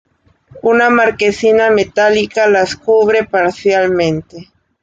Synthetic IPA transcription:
unamaɾkesinamet̪alikalaskuβɾe̞paɾsjalmẽnt̪e

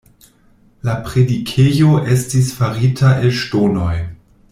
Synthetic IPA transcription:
lapɾedikʰejo̞ʔe̞stisfaɾitʰaelʃtono̞j

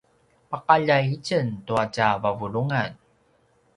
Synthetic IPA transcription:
paqaʎajit͡ɕəntuacavavuɭuŋan

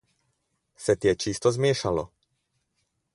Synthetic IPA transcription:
sɛt̪jɛt͡ʃist̪ɔzmɪɛʃalɔ̰

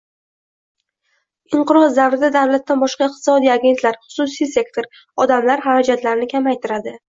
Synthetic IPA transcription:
ɪɴqɨɾɒzd̪avɾɪd̪ad̪awlat̪ːanbɒʃqɑɪq̚t̪ʰɪ̥sɒd̪ijaɡʲe̞nt̪laɾχʊ̥susijse̞kt̪ʰoɾ | ɒd̪amlaɾɦaɾad͡ʒat̪laɾɪnɪkʲʰamajt̪ʰɪɾad̪ɪ

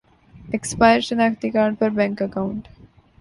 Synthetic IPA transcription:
ekspaɪəɾʃənaːkt̪ikaːɾɖ̚pɐɾbɛ̃ŋkəkaʊ̃ɳʈ

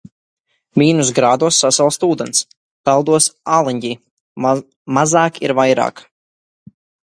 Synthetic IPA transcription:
mʲiːnus̬ɡɾaːd̪uɔsːasɛlˠst̪uːd̪ɛns | pɛlˠd̪uɔsaːlˠiɲɟʲiː | mazaːkiɾvajɾa̰ːk

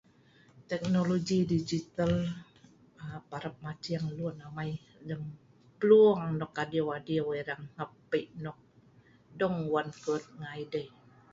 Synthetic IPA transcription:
t̪ɛk̚noloɡidid͡ʒit̪al | paɾəp̚mat͡ʃiaŋlunamaj | dəŋ | pəluŋaŋnɔkːadiwadioweɾaŋhapːəʔnɔk̚ | dɔŋwankut̪̚ŋajdəj

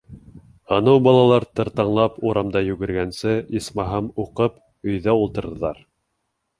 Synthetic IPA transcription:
hɤ̆nɤwbɑlˠɑlˠɑɾt̪ɤ̆ɾt̪ɑɴlˠɑpuɾɑmd̪ɑjʉɡɘ̆ɾɡænsɘismɑɦɤmuqɤp | ɵ̆jðæulˠt̪ɤ̆ɾðɤ̆lˠɑɾ

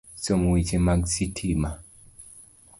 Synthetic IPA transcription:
somwit͡ʃemaɡsitʰima

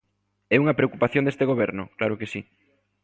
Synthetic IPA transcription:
ɛuŋɐpɾeokupaθjõnd̪est̪eɣ̞oβ̞ɛɾnʊ̰klaɾokesi

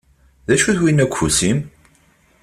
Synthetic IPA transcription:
ðæʃuθwinækʷʰːusim

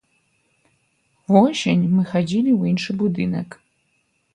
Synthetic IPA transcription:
vosḛnʲmɨxad͡zʲilʲiuinʂɨbud̪ɨnɐk

